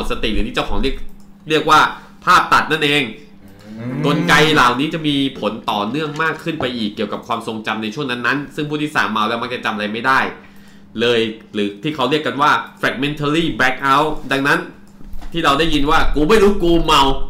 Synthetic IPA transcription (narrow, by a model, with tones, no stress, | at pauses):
t̪̚sa˧t̪i˨˩ɾɯː˨˦iː˥˩a˥˩wkʰɔː˩˦ɾi˥˩ək̚ɾi˥˩ək̚waː˥˩ | pʰaː˥˩p̚t̪a˨˩t̪̚na˥˩nʔeː˧ŋ | ko˧nka˧jlaː˨˩wniː˦˥t͡ɕa˨˩ʔmiː˧pʰo˩˦nt̪ɔː˨˩nɯ˥˩əŋmaː˥˩kʰːɯ˥˩npa˧jʔiː˨˩kːi˨˩əwka˨˩p̚kʰwaː˧mso˧ŋt͡ɕa˧mna˧jt͡ɕʰu˥˩əŋna˦˥nːa˦˥nsɯ˥˩ŋpʰuː˥˩t̪iː˥˩sa̰ː˩˦mːa˧wlɛː˦˥wma˧˦˥kt͡ɕa˨˩t͡ɕa˧mʔɾa˧jma˥˩jdaː˥˩j | lɤː˧jlɯː˩˦t̪ʰiː˥˩kʰa˦˥wɾi˥˩əkːa˧nwaː˥˩fɾɛː˨˧˩k̚me˧nt̪ʰa˧ɾiː˥˩bɛ˦˥k̚ʔa˦˥wda˧ŋna˦˥n | t̪ʰiː˥˩ɾa˧wdaː˥˩jːi˧nwaː˥˩kuː˧ma˥˩jɾuː˦˥kuː˧ma˧w